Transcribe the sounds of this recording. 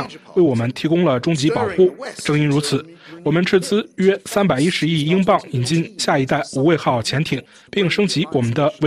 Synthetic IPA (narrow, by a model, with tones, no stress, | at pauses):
ŋwe˥˩ɪwɔ˨˩mə˦nt̪ʰi˧˥kʊ˥ŋlə˨ʈ͡ʂʊ˥ŋt͡ɕi˧˥pɑ˨˩ʊxu˥˩ʈ͡ʂɤ˥ŋi˥nɻu˧˥t͡sʰɹ̩˨˩˦wɔ˨˩mə˧˦nʈ͡ʂ̩ʰ˥˧t͡sɹ̩˥ɥɛ˥sa˥npa˨˩ɪi˥ʂɻ̩˧˥i˥˩i˥ŋpɑ˥˩ŋi˨˩nt͡ɕi˥˧nɕja˥˩i˧˥t̪a˥˩ɪu˨˩we˥˧ɪxɑ˥˩ʊt͡ɕʰjɛ˧˥nt̪ʰi˨˩˦ŋ | pi˥˩ŋʂɤ˥ŋt͡ɕi˧˥wɔ˨˩mə˦nd̪ə˧w